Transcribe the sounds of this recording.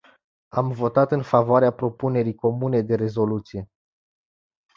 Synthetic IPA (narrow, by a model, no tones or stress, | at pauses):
amvo̞t̪at̪ɨnfavoaɾeapɾo̞pune̞ɾijko̞mune̞d̪e̞ɾe̞zo̞lut̪sije̞